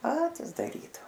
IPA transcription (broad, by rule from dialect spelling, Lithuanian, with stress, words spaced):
ˈpɑːtʲɪs dɐˈrʲiːdɐʋoː